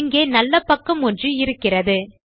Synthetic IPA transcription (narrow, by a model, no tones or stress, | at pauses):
ŋɡeːnɐlːɐpːɐkːɐmɔndrɯɪɾɯkːɪrɐðɯ